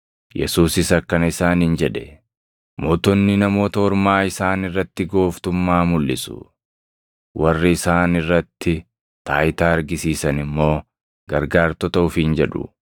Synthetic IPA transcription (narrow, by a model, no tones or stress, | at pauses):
jɛ̰suːsɪsɐkːɐnɐɪsaːnɪnd͡ʒɛᶑɛ̥ | moːt̪ɔnːɪnɐmo̞ːt̪ɐɔɾmaːɪsaːnɪrːɐt̪ːɪɡo̞ːft̪ʊmːaːmʊlːɪsʊ̥̰ | wʔɐrːɪːsaːnɪrːɐt̪ːɪ | t̪aːjɪt̪aːɐɾɡɪsiːsɐnɪmːo̞ː | ɡɐɾɡaːɾt̪ɔt̪ɐʊfind͡ʒɛᶑʊ̰